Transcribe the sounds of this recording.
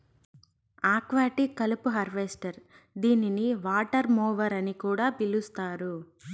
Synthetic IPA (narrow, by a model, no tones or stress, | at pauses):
aːkʋaːʈikɐlupuɦɐɾʋesʈɐɾ | d̪iːniniʋaːʈɐɾmɔːʋɐɾɐnikuːɽaːpilust̪aːɾu